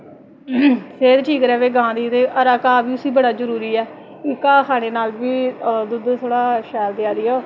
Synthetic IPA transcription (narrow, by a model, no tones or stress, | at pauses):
seːd̪ʈʰiːkɾɛːʋeːɡãːd̪iːt̪eːʔəɾaːkaːbiːʊsiːbəɽaːzəɾuːɾiːɛː | kɪkaːkʰaːñeːnaːlʋiːd̪ʊd̪t̪ʰoːɽaːʃɛːld̪ɪjaːd̪ɪːoː